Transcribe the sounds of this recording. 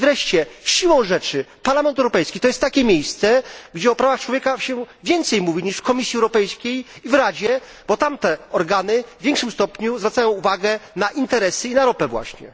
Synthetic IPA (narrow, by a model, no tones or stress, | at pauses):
vɾɛʂt͡ɕɛɕiwɔ̃w̃ʐɛt͡ʂɘpaɾlamɛnt̪ɛwɾɔpɛjskʲit̪ɔjɛst̪ːakʲɛmʲjejst̪sɛɡd͡ʑɛɔpɾavaxt͡ʂwɔvʲjɛkaɕɛvʲjɛnt̪sɛjmuvʲiɲiʂfkɔmʲisʲjiɛwɾɔpɛjskʲejivɾad͡ʑɛ | b̥ɔt̪amt̪ɛɔɾɡanɘvʲjɛ̃ŋkʂɘmst̪ɔpɲuzvɾat̪sajɔ̃w̃uvaɡɛnaʔint̪ɛɾɛsɘinaɾɔpɛvwa̰ɕɲɛ̰